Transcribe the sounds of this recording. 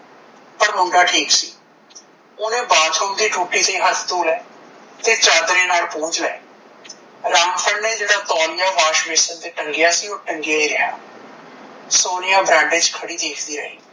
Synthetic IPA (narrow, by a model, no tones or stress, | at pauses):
pəɾmʊɳɖaːʈʰiːksiː | ʊnẽːbaːt̪ʰoːkd̪iːʈuːʈiːsiːɦət̪ʰt̪oːlɛːt̪eːt͡ʃaːd̪ɾeːnaːlpõːd͡ʒlɛ̰ː | ɾaːmpʰəɳnẽːd͡ʒeːɽaːt̪ɔːɾɪjaːʋaːʃʋɪsənd̪eːʈəŋɡɪjaːsiːʊʈə̃ŋɡɪjaːiːɾɪɦa̰ː | soːnɪjãːbɾɛ̃ːɳɖeːd͡ʒkʰəɽiːd̪eːkʰd̪iːɾə̰ɦḭː